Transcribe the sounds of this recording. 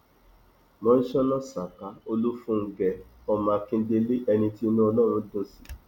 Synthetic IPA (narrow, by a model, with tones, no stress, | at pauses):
mɔ̃˨˦n̩˦ʃɔ˦nɔ̃˦sa˨ka˨˦o˧lu˦fũ˦˧ŋ̩˦ɡɛ˨ɔ˦˨mã˨˧kĩ˧˦de˧le˦ʔɛ˧nĩ˧ti˦nũ˦ɔ˧lɔ˦˨ɾ̃ũ˨˦dõ˦si˨˦